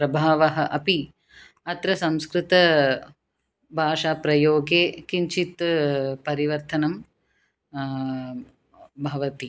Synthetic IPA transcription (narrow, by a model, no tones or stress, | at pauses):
pɾɐbʱaːʋɐɦɐʔɐpi | ɐt̪ɾɐsɐmskɾɪt̪ɐ | bʱaːʂaːpɾɐjoːɡeːkiɲt͡ʃʰit̪pɐɾiʋɐɾt̪ɐnɐm | bʱɐʋɐt̪i